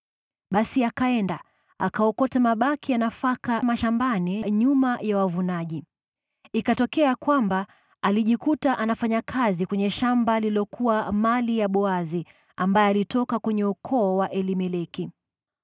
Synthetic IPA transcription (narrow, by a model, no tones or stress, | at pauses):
ɓasiakaɛnda | akaɔkɔtamaɓakijanafakamaʃambaniɲumajawavunaʄi | ikatɔkɛakwamba | aliʄikutaʔanafaɲakʰazikwɛɲɛʃambalilɔkʰuwamalijaɓɔazi | ambajɛalitɔkakwɛɲɛukʰɔːwaʔɛlimɛlɛki